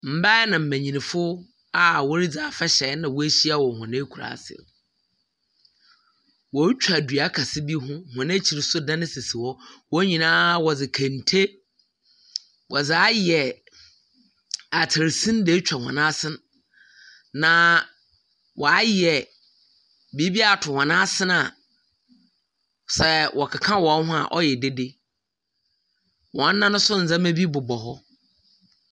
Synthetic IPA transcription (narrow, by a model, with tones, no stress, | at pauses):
m̩˨ba˦nã˨m̩˨mæ̃˨ɲĩ˨nĩ˨fʊ˦ | a˦wɔ˦ɾi˦d͡za˨fɛ˦ɕɛ˨˦nã˨wɔ˦æ˦ɕi˦a˦wɔ˨hʊ̃˨nã˦kʰu˨ɾa̰˨sɪ̰˨ | wɔ˨˦t͡ɕᶣa˨dɥa˨˦kʰa˨sɪ˦bi˦ɦʊ̃˦˨hʊ̃˨nã˦t͡ɕʰi˨ɾɪ˨sʊ˦dã˦nɪ̃˦sɪ˨sɪ˨wɔ˦wɔ˦ɲĩ˨nãː˦wɔ˨d͡zɪ˨kʰã˨n˨tʰe˦ | wʔɔ˨d͡za˦jɛ˨ | a˨tʰɪ˨ɾsĩ˦n˦deː˦t͡ɕᶣa˨hɔ̰̃˨nã˦sɪ̃˦n | nã˨ | wʔɔ˨a˦jɛ˨ | bi˨˦bi˦a˨tʰʊ˨hɔ̃˨nã˦sɪ̃˦na˨ | sɛ˦wʔɔ˨kʰa˨kʰã˦wɔ˨˦hʊ̃˦a̰˨ʔɔ̰˦jɛ˨de˦de˦ | wɔ̃˨n̩˦nã˦nʊ̃˦sʊ˦n̩˨zã˦mẽ˦bi˦bʊ˨bɔ˨ɦɔ˦